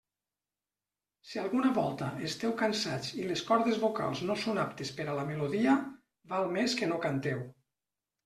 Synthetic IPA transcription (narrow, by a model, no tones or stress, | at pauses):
sialˠɣunaβɔlˠt̪aest̪ɛwkansat͡sileskɔɾðezβoka̰lˠznosonap̚t̪espeɾalameloðiə | βalˠmeskenokant̪ɛw